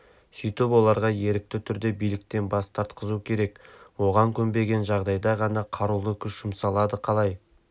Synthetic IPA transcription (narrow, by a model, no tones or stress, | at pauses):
sʏjt̪ɪpwo̞lˠɑɾʁɑje̞ɾɪk̚t̪ɪt̪ʰʏɾd̪e̞bijlɪk̚t̪e̞nbɑst̪ʰɑɾt̪qəzukʲʰe̞ɾe̞kwo̞ʁɑŋkʲʰɵmbe̞ɡʲe̞nʒɑʁd̪ɑjd̪ɑʁɑnɑqʰɑɾulˠəkʲʰʏʃʃʊmsɑlˠɑd̪əqʰɑlˠɑj